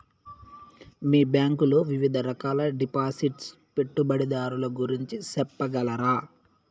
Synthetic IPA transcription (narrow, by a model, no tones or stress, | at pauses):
miːbjaːŋkuloʋiʋid̪ʱɐɾɐkaːlɐɖipaːsiʈs | pe̞ʈːubɐɽid̪aːɾulɐɡuɾiɲt͡ʃisɛpːɐɡɐlɐɾaː